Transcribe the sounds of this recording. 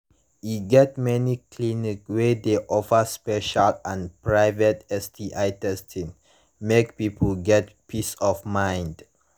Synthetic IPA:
iɡɛt̚mɛnikʰlinikwedeʔɔfəspɛʃalãnpɹajvətɛstiʔajtɛstʰĩŋ | mek̚pipʰəlɡɛtpisɔfmãj̃nd

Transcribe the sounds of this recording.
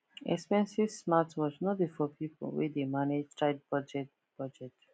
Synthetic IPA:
ɛ̰kspɛ̃nsivsmatwɔsnɔdefɔpʰipo̰wḭdemaned͡ʒtʰɹad̚bɔd͡ʒɛt̚ | b̥ɔd͡ʒɛt

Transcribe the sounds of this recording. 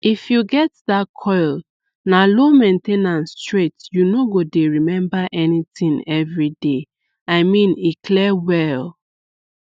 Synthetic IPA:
ifjuɡɛt̚ðakʰɔɪl | nalomẽntenãnstɹetjunoɡodeɹimɛ̃mbaʔɛnitĩŋɛvɹide | aɪmĩnikʰlɛwɛl

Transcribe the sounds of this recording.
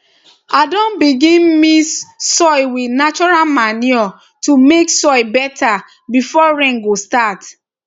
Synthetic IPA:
adɔ̃nbiɡĩnmissɔjwinat͡ʃɔɹalmaniɔ | tumeksɔjbɛtʰa | bifɔɹɛ̃ŋɡostat

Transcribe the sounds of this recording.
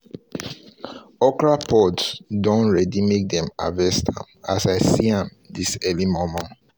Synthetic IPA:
ɔkɹapʰɔdsdɔ̃nɹɛdimek̚d̪ɛ̃ma̰vɛstʰã̰masaɪsiãm | disɛlimomɔ̃n

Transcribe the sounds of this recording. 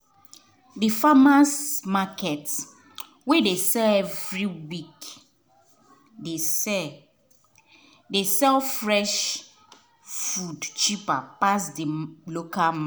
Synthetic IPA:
difamasmakɛt | wedesɛlɛvɹiwik | desɛ | desɛlfɹɛʃ | fudt͡ʃipapasdilokama

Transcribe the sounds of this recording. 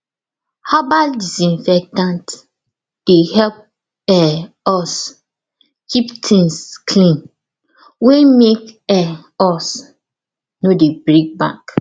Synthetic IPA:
habadisĩnfɛk̚tãnt | d̥ehɛlp̚ | ɛ | ɔs | kʰiptʰĩnskʰlĩn | wemekɛɔs | nodebɹik̚ba̰k

